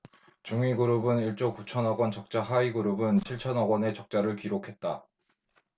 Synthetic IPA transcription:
t͡ɕuŋiɡuɾubɯniɭt͡ɕ͈okut͡ɕʰʌnʌɡwʌnt͡ɕʌk̚t͡ɕ͈aɦaiɡuɾubɯnt͡ɕʰiɭt͡ɕʰʌnʌɡwʌne̞t͡ɕʌk̚t͡ɕ͈aɾɯɭkiɾokʰe̞t̚t͈a

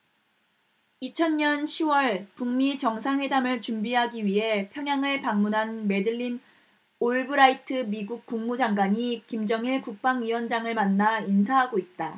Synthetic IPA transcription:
it͡ɕʰʌnɲʌnɕʰiwʌɭpuŋmit͡ɕʌŋsʰaŋɸwe̞damɯɭt͡ɕumbiɦaɡiɥiɦe̞pʰjʌŋjaŋɯɭpaŋmunɦanme̞dɯɭːin | oɭbɯɾaitʰɯmiɡuk̚k͈uŋmud͡ʑaŋɡwaɲikimd͡ʑʌŋiɭkuk̚p͈aŋɥiwʌnd͡ʑaŋɯɭmanːains̬ʰaɦaɡoit̚t͈a

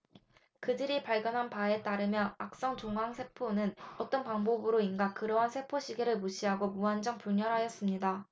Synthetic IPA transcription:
kɯdɯɾipaɭɡjʌnɦanpae̞t͈aɾɯmjʌak̚s͈ʌŋt͡ɕoŋɦaŋsʰe̞pʰonɯnʌt͈ʌnpaŋbobɯɾoinɡak͈ɯɾʌɦansʰe̞pʰoɕʰiɡe̞ɾɯɭmuɕʰiɦaɡomuand͡ʑʌŋpuɭɲʌɾɦajʌs͈ɯmɲida

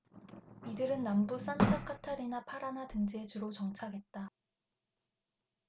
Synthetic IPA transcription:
idɯɾɯnːambus͈antʰakʰatʰaɾinapʰaɾanatɯŋd͡ʑed͡ʑuɾot͡ɕʌŋt͡ɕʰaɡe̞t̚t͈a

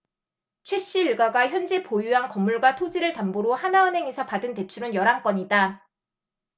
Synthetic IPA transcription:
t͡ɕʰwe̞ɕ͈iɭɡaɡaçjʌnd͡ʑepojuankʌmːuɭɡwatʰod͡ʑiɾɯɭtamboɾohanaɯnɦe̞ŋesʰʌpadɯnte̞t͡ɕʰuɾɯnjʌɾaŋk͈ʌɲida

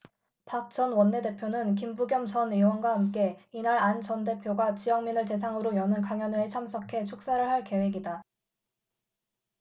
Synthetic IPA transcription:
pak̚t͡ɕ͈ʌnwʌnːe̞de̞pʰjonɯnk̬imbuɡjʌmt͡ɕʌniwʌnɡwahamk͈e̞inaɾant͡ɕʌnde̞pʰjoɡat͡ɕijʌŋminɯɭte̞s̬ʰaŋɯɾojʌnɯnkaŋjʌnɯet͡ɕʰamsʰʌkʰe̞t͡ɕʰok̚s͈aɾɯɭɦaɭke̞we̞ɡida

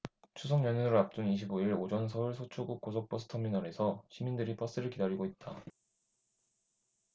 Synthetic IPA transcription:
t͡ɕʰusʰʌŋɲʌɲunɾɯɾap̚t͈uniɕʰiboiɾod͡ʑʌns̬ʰʌuɭsʰot͡ɕʰuɡuk͈̚os̬ʰok̚p͈ʌsʰɯ̥tʰʌminʌɾe̞sʰʌɕʰimindɯɾip͈ʰʌs͈ɯɾɯɭkidaɾiɡoit̚t͈a

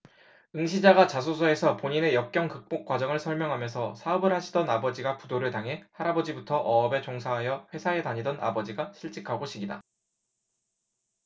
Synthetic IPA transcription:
ɯŋɕ̬ʰid͡ʑaɡat͡ɕasʰosʰʌe̞sʰʌpoɲine̞jʌk̚k͈jʌŋkɯk̚p͈ok̚k͈wad͡ʑʌŋɯɭsʰʌɭmjʌŋɦamjʌnsʰʌsʰaʌbɯɭɦaɕʰidʌnabʌd͡ʑiɡapudoɾɯɭtaŋɦe̞haɾabʌd͡ʑibutʰʌʔʌːbe̞t͡ɕoŋsʰaɦajʌɸwe̞sʰae̞taɲidʌnʔa̰bʌd͡ʑiɡaɕʰiɭt͡ɕ͈ikʰaɡoɕʰiɡida̰

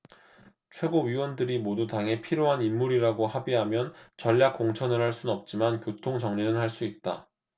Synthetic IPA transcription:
t͡ɕʰwe̞ɡoɥiwʌndɯɾimodutaŋɦe̞pʰiɾjoɦanimːuɾiɾaɡohabiɦamjʌnt͡ɕʌʎːjak͈ːoŋt͡ɕʰʌnɯɭhaɭs͈unʌp̚t͡ɕ͈imankjotʰoŋt͡ɕʌŋɲinɯnhaɭs͈uit̚t͈a̰

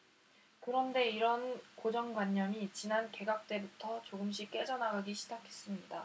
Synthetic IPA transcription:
kɯɾʌnde̞iɾʌnkod͡ʑʌŋɡwaɲːʌmit͡ɕinanke̞ɡak̚t͈e̞butʰʌt͡ɕoɡɯmɕ͈ʰik͈e̞d͡ʑʌnaɡaɡiɕʰid͡ʑakʰe̞s͈ɯmɲida

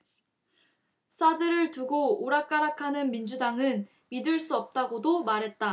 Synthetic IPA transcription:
sʰadɯɾɯɭtuɡooɾak͈aɾakʰanɯnmind͡ʑudaŋɯn | midɯɭs͈uʌp̚t͈aɡodomaɾɦe̞t̚t͈a

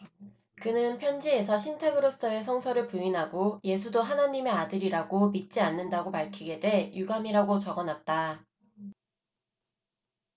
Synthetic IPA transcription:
kɯnɯnpʰjʌnd͡ʑie̞sʰʌɕʰintʰeɡɯɾos͈ʌe̞sʰʌŋsʰʌɾɯɭpuinɦaɡoje̞sʰudoɦanaɲime̞adɯɾiɾaɡomit̚t͡ɕ͈ianːɯndaɡopaɭkʰiɡe̞dwe̞juɡamiɾaɡot͡ɕʌɡʌnat̚t͈a

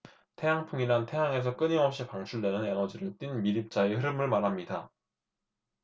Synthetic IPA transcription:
tʰe̞jaŋpʰuŋinantʰe̞jaŋe̞s̬ʰʌk͈ɯɲiʌp̚ɕ͈ipaŋt͡ɕʰuɭdwe̞nɯne̞nʌd͡ʑiɾɯɭt͈winmiɾip̚t͡ɕ͈aehɯɾɯmɯɭmaɾɦamɲida

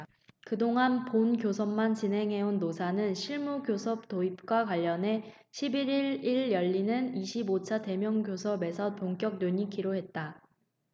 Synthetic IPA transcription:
kɯdoŋɦanponɡjosʰʌmmant͡ɕinɦe̞ŋɦe̞unːosʰanɯnɕʰiɭmuɡjosʰʌp̚toip̚k͈wakwaʎːʌne̞ | ɕʰibiɾiɭiɭjʌʎːinɯniɕʰibot͡ɕʰate̞mjʌŋɡjosʰʌbe̞sʰʌpoŋk͈jʌk̚nweɲikiɾoɦe̞t̚t͈a

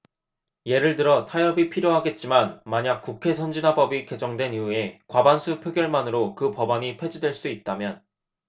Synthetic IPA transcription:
je̞ɾɯɭtɯɾʌtʰajʌbipʰiɾjoɦaɡe̞t̚t͡ɕ͈imanmaɲak̚k͈ukʰe̞sʰʌnd͡ʑinɦabʌbike̞d͡ʑʌŋdwe̞niue̞kwabansʰupʰjoɡjʌɭmanɯɾokɯpʌbaɲipʰe̞d͡ʑidwe̞ɭs͈uit̚t͈amjʌn

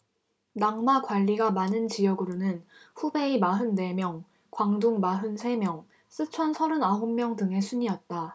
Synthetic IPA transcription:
naŋmakwaʎːiɡamanɯnt͡ɕijʌɡɯɾonɯnɸube̞imaɦɯnːe̞mjʌŋ | kwaŋduŋmaɦɯnsʰe̞mjʌŋ | s͈ɯt͡ɕʰʌnsʰʌɾɯnaɦomːjʌŋdɯŋe̞sʰuɲiʌt̚t͈a

